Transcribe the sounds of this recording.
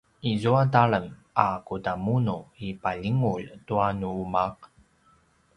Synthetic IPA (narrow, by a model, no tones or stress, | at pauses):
izuataɭəm | akutamunuipaʎiŋuʎtuanuumaq̚